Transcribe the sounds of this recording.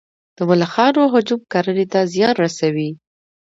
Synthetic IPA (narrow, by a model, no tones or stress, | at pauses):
d̪̥əmʊlaxɑɾoɦʊd͡ʒum̚kaɾənet̪azjɑnɾasawi